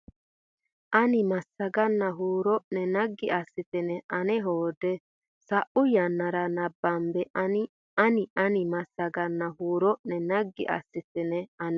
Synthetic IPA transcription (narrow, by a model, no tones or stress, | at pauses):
ʔɐnɪmɐsɐɡɐnːɐɦuːɾɔʔnɛnɐɡːɪʔɐsːɪt̪ɪnɛɐnɛɦoːd̪ɛ | sɐʔʊjɐnːɐɾɐnɐbːɐmbɛɐnɪ | ɐnɪʔɐnɪmɐsːɐɡɐnːɐɦuːɾɔʔnɛnɐɡːɪ̰ʔɐ̰sːɪt̪ɪnɛɐnɛ